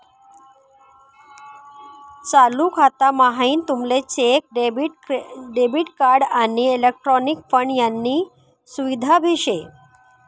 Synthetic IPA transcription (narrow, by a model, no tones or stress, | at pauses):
t͡salukʰat̪amaɦaiːnt̪umlet͡ɕek̚ɖ | ɖebiʈkaɾɖanielek̚ʈɾɔnikfəɳɖjanːiː | suʋid̪ʱabʱiɕe